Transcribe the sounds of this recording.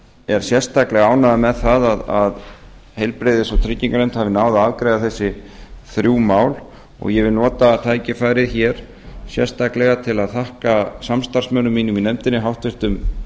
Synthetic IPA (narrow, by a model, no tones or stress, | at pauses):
ɛɾ̥sjɛrst̪ahklɛɣaaːwnaðamɛðθaðaðaðhejlpɾejðɪsawt̪ʰɾɪcːiŋkaɾejm̥t̪havɪnaːwðaaːðkɾejɣaθɛsːɪθɾjuːmaːwl | ɔ̰ɣjɛvɪlnɔːt̪at̪ʰaːjcɪfaːjɾɪðçɛɾ̥ | sjɛ̰r̥st̪aklɛɣat̪ʰɪlaðθahkasamst̪ar̥smœnʏmːiːnʏminɛmt̪ɪnːɪɦawht̪vɪɾ̥t̪ʏm